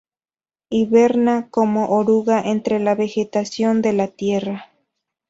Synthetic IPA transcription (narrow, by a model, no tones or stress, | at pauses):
iβeɾnakomoʔoɾuɣaʔent̪ɾe̞laβe̞xe̞t̪asjo̞nd̪e̞lat̪je̞ra